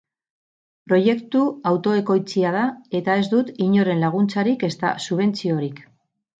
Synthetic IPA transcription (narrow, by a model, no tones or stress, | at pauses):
pɾo̞je̞kt̪uawt̪o̞e̞ko̞jt͡siað̞ae̞t̪ae̞zd̪ut̪iɲo̞ɾe̞nlaɣ̞unt͡saɾike̞st̪a̰suβ̞e̞nt͡sio̞ɾik